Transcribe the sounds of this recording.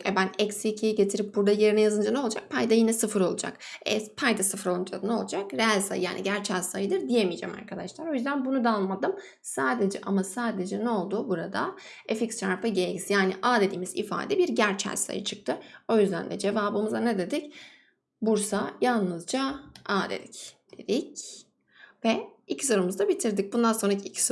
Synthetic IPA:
ɛbænɛcsiːcʰijiɟe̞t̪ʰiɾip̚buɾd̪aje̞ɾinɛjazɯnd͡ʒanɛo̞lˠud͡ʒa̰k̚pʰajd̪ajinɛsɯfɯɾo̞lˠud͡ʒa̰k | ɛpʰajd̪asɯfɯɾo̞lˠɯnd͡ʒad̪ɯnolˠud͡ʒakɾeɦalʲsa̰jjaːniɟæɾt͡ʃʰælʲsajɯd̪ɯɾd̪ijemijd͡ʒɛ̰ma̰ɾkʰad̪aʃlˠaɾo̞jyzd̪ænbunud̪aalˠmad̪ɯm | saːd̪e̞d͡ʒɛ̰ʔamasaːd̪e̞d͡ʒɛnɛo̞lˠd̪ubuɾad̪a̰ | efiksʰaɾpɯɟelʲizjaːniʔaːd̪e̞d̪iːmizḭfa̰ːd̪ɛbiɾɟæɾt͡ʃʰæ̰lʲsa̰jɯ̰t͡ʃʰɯk̚t̪ʰɯo̞jyzd̪æ̰nd̪ɛ̰d͡ʒe̞vaːbɯmuzaned̪e̞d̪ic | buɾsajalˠnɯzd͡ʒaaːd̪ḛd̪icd̪̥ed̪ic | vɛicʰiso̞ɾumuzd̪abit̪ʰiɾd̪ic̚bund̪ansonɾacʰicʰi̥s

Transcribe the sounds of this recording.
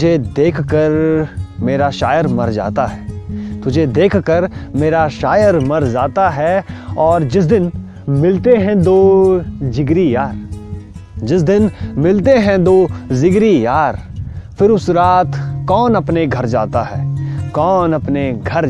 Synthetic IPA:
d͡ʒʱed̪eːkʰkəɾmeːɾaʃaːjəɾmɐɾd͡ʒa̰ːt̪aɦɛːt̪ʊd͡ʒʱed̪eːkʰkəɾmeːɾaʃaːjəɾmɐɾd͡ʒaːt̪aɦɛɔːɾd͡ʒɪs̬d̪ɪn | mɪlt̪eɦɛ̃d̪oːd͡ʒɪɡɾijaːɾ | d͡ʒɪsd̪ɪnmɪlt̪eɦɛ̃d̪oːzɪɡɾijaːɾfɪɾʊsɾaːt̪ʰkɔːnɐpneɡʱɐɾd͡ʒaːt̪aɦɛːkɔːnɐpneɡʱɐɾ

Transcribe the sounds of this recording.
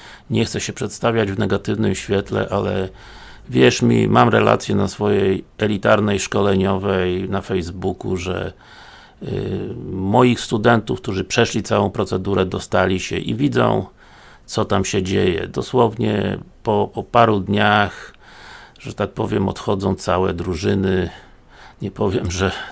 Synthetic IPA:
ɲɛxt̪sɛɕɛpʂɛt̪st̪avʲjad͡ʑvnɛɡat̪ɘvnɘmɕfʲjɛt̪lɛ̰ʔalɛ | vʲjɛʂmʲḭmamɾɛla̰t̪sʲjɛnasfɔjɛjɛlʲit̪aɾnɛjʂkɔlɛɲɔvɛjnafɛjzbukuʐɛ̰ | mɔjixst̪ud̪ɛnt̪ufk̚t̪uʐɘpʂɛʃlʲit̪sawɔ̃w̃pɾɔt̪sɛd̪uɾɛd̪ɔst̪alʲiɕɛ̰ʔḭvʲid̪zɔ̰̃w̃ | t̪sɔt̪amɕɛd͡ʑejɛ̰d̪ɔswɔvɲɛ̰pɔpɔpaɾud̪ɲax | ʐɛt̪ak̚pɔvʲjɛmɔ̰t̪xɔd̪zɔ̃w̃t̪sawɛ̰d̪ɾuʐɘnɘ | ɲɛpɔvʲjɛmʐɛ

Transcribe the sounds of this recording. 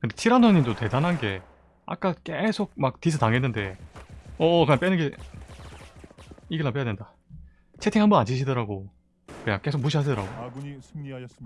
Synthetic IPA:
kɯndet͡ɕʰiɾandʰoɲimdote̞danɦanɡe̞ | a̰k͈ak͈esʰoɡ̚mak̚tis̬ʰɯtaŋɦe̞nːɯnde̞ | ʌkɯɲaŋp͈enɯɡe | iɡɯɭːamp͈ejadwenda | t͡ɕʰetʰiŋɦhambʌnand͡ʑiɕʰidʌɾaɡo | kɯɲa̰ŋk͈e̞sʰok̚muɕ̬ʰiaɕ̬ʰidʌɾaɡo

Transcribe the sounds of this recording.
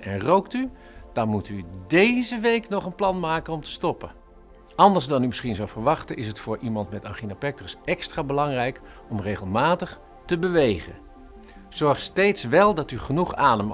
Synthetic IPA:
ɛnrowkty | d̥aɹmutydejzəʋejknɔχənplɑnmaːkənɔmtə̥stɔpə | ɑndəɹzdɑnyməsχinzowvəɹʋɑχtəɪsɦətfʊːɹʔimɑntmɛtaχinapɛk̚trəsɛkstraːbəlɑŋrɛjk | ɔmrejχəlˠmaːtəχ | təbəʋejχə̰n | z̥ɔɹχstejtsʋɛlˠdɑtyχənuχaːdəm

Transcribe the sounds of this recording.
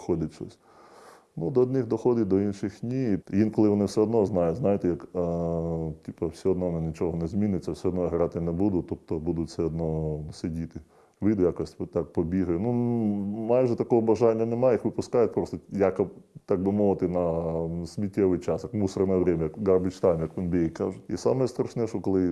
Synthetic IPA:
xɔd̪ʲɪtʲʃɔ̰sʲ | nud̪ɔːd̪nɪxd̪ɔxɔd̪ʲɪt̪̚ʲd̪ɔinʃɪxnʲijinkɔlˠɪʋɔnɪwsʲɛɔd̪nɔznɑjʊznɑjɪt̪ɛjɐk | tʲipɐwsʲɛɔd̪nɔnɪnʲit͡ʃɔɦɔnɛzʲmʲinɪt͡sʲːɐwsʲɛɔd̪nɔjiɦɾɑt̪ɪnɛbud̪ʊt̪up̚t̪ɔbud̪ʊtʲsɛɔd̪nɔsɪdʲit̪ɪ | ʋɪd̪ʊjakɔsʲtʲt̪ɑk̚pɔbʲiɦɐjʊnu | mɑjʒɛt̪ɐkɔɦɔbɐʒɑnʲːɐnɛmɑjjixʋɪpʊskɑjʊt̪̚ʲpɾɔst̪jakɐt̪ɑk̚bɪmɔʋɪt̪ɪnɐsʲmʲitʲːɛʋɪjt͡ʃɑsjɐkmusɐrnɛɛʋɾʲɛmʲɐjɐkɡɐrbɪt͡ʃt̪ɑjnjɐkʋʲinbʲijikɑʒɛḭsɑ̰mɛɛst̪ɾɐʃnɛʃɔkɔlˠɪ

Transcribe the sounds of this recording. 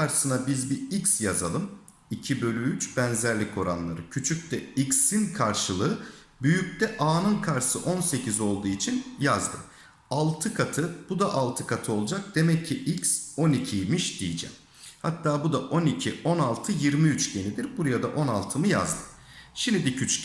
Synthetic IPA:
aɾsɯnabizbiicsjaza̰lˠɯm | icʰibø̞lʲyyt͡ʃbænzæɾlʲico̞ɾa̰nlˠa̰ɾɯcʰyt͡ʃʰyc̚ʲt̪ɛiksinkʰaɾʃɯlˠɯɯ | byjyc̚t̪ɛʔaːnɯnkʰaɾsɯʔo̞nse̞cʰizo̞lˠd̪uːit͡ʃʰinjazd̪ɯ̰m | alˠt̪ʰɯkʰat̪ʰɯb̥ud̪aʔalˠt̪ʰɯkʰat̪ʰɯo̞lˠud͡ʒak̚d̪̥e̞mɛcʰːiʔicso̞nicʰijmiʃd̪̥ḭjid͡ʒɛ̰m | ha̰t̪ːaːbud̪aʔo̞nicʰiʔo̞nalˠt̪ʰɯjiɾmiyt͡ʃɟe̞nid̪iɾbuɾajad̪aʔo̞nalˠt̪ʰɯmɯja̰zd̪ɯm | ʃimd̪ibicʰyt͡ʃc

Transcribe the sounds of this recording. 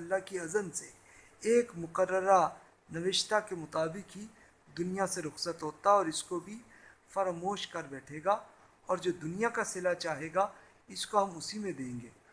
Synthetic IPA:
ɐlːakiɐzənse | eːkmʊqəɾːəɾa | nɐʋɪʃt̪akemʊt̪aːbɪkɦi | d̪ʊnijaseɾʊxsət̪ɦoːt̪aɔːɾɪskobʱi | fɐɾmoːʃkɐɾbɛːʈʰeːɡaː | ɔːɾd͡ʒoːd̪ʊnijakasɪlat͡ʃaːɦeːɡa | ɪskoɦɐmʊsimẽd̪ẽːŋɡeː

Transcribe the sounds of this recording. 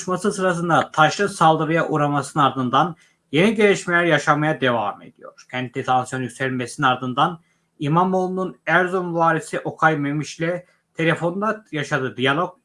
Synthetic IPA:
ʃmasɯsɯɾas̬ɯnd̪at̪ʰaʃlˠɯsalˠd̪ɯɾɯjaʔuɾamasɯnɯnaɾd̪ɯnd̪an | je̞niɟelʲiʃmelʲæɾjaʃamajad̪e̞vame̞̰d̪ijo̞̰ɾ̥cʰɛnt̪lɛt̪ʰansijo̞njykʲseɾilʲmesininaɾd̪ɯnd̪an | imamolˠununæɾzomvaːɾisiʔo̞kʰajmemiʃlʲɛ | t̪ʰe̞lʲe̞fo̞nd̪ajaʃad̪ɯd̪ijalˠo̞k̚

